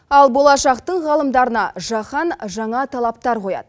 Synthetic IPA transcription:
ɑlˠbo̞lˠɑʃɑqt̪əɴʁɑlˠəmd̪ɑɾənɑʒɑχɑnʒɑɴɑt̪ʰɑlˠɑp̚t̪ɑɾqʰo̞jɑ̰d̪̥ə

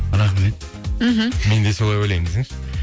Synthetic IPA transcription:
ɾɑχmet̪̚m̩ɦm̩me̞nd̪esolˠɑjojlʲejŋɪzɪŋʃ

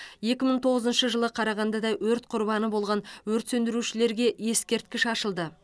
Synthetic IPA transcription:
je̞kʲɪməɴt̪ʰo̞ʁəzənʃəʒəlˠəqʰɑɾɑʁɑnd̪ɑd̪ɑwɵɾt̪qʰʊɾbɑnəbo̞lˠʁɑnwɵɾt̪sɵnd̪ɪɾuʃɪle̞ɾɡʲe̞je̞skʲe̞ɾt̪̚kʲɪʃɑʃəlˠd̪ə

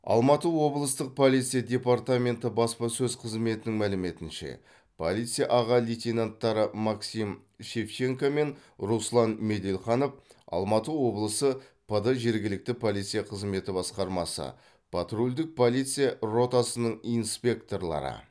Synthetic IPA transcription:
ɑ̰lˠmɑt̪əwo̞blˠəst̪əq̚pʰolˠijt̪sɨjadʲe̞part̪amʲe̞nt̪əbɑspɑsɵzqʰəzme̞t̪ɪnɪŋmælɪme̞t̪ɪnʃḛ | pʰo̞̰lʲˠijt̪sɨjaʔɑʁɑlʲijt̪ʲenant̪ːɑɾəmɑksim | ʃeft͡ʃe̞ŋkome̞nɾuslˠɑnme̞d̪ʲe̞lχɑno̞fɑ̰lˠmɑt̪əwo̞blˠəsəpʰəd̪əʒe̞ɾɡʲɪlɪk̚t̪ɪpʰo̞lˠijt̪sɨjaqʰəzme̞t̪ɪbɑsqɑɾmɑsə̰ | pʰɑt̪ɾulʲd̪ɪk̚pʰo̞lʲˠijt̪sɨjaro̞t̪asənəɴinspʲe̞k̚t̪o̞rlˠɑ̰ɾə̰

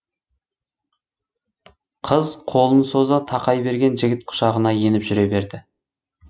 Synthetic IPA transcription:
qʰəzqʰo̞lˠənso̞zət̪ʰɑqɑjbe̞ɾɡʲe̞nʒɪɡʲɪt̪̚qʰʊ̥ʃɑʁənɑje̞nɪpʒʏɾe̞be̞ɾd̪ɪ

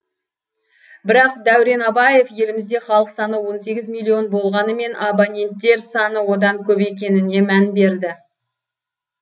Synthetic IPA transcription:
bɪɾɑq̚d̪æwɾe̞nɑbɑje̞fje̞lɪmɪzd̪e̞χɑlˠəqsɑnəwo̞nse̞ɡʲɪzmʲilʲˠːionbo̞lˠʁɑnəme̞nʔabanʲe̞nt̪ːe̞ɾsɑnəwo̞d̪ɑŋkʲʰɵpe̞kʲe̞nɪne̞mænbe̞ɾd̪ɪ

